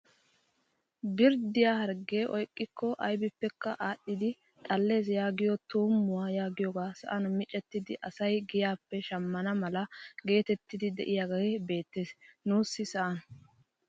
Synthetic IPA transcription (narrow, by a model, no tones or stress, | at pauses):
bɪɾd̪ɪjaːhɐɾɡe̞ːʔɔjkʼːɪkːɔʔɐjbɪpːɛkːɐʔaːɗːɪd̪ɪ | t̪ʼɐlːe̞ːs̬jaːɡɪjɔt̪uːmːʊwaːjaːɡɪjɔɡaːsɐ̰ʔɐnʊmɪt͡ʃʼɛt̪ːɪd̪ɪʔɐsɐjɡɪjaːpːɛʃɐmːɐnɐmɐlɐɡe̞ːt̪ɛt̪ːɪd̪ɪd̪ɛʔɪjaɡɐɡebe̞ːt̪ːe̞ːsnuːsːɪsɐʔɐn